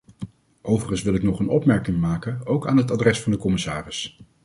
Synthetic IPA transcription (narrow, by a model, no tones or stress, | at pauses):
ʔowvərχənsʋɪlˠɪknɔχənɔpmɛɹkɪŋmaːkənowkaːnɦətadrɛsfɑndəkɔmɪsa̰ːrɪs